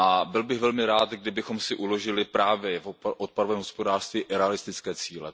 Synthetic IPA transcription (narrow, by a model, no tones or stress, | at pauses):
ʔabɪlbɪɣvɛlmɪɾaːt̪ɡdɪbɪxo̞msɪʔulo̞ʒɪlɪpɾaːvjɛfʔot̪̚paɾovɛːmɦospodaːr̥st̪viːʔɾɛalɪst̪ɪt͡skɛːt͡siːlɛ